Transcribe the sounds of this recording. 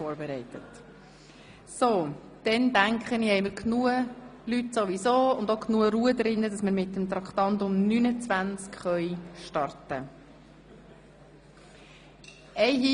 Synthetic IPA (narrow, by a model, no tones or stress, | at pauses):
oːɾbɛɾɛɪtət | so | d̥ɛndæŋkχənihɛɪməɾkʰnuəlytsoʋisoːʊndoknuəɾuədɾɪnːədɑsməɾmɪtːəmt̪ɾɑkt̪ɑntʊmnynət͡svænt͡skχœʏʃtɑrtə | ɛɪi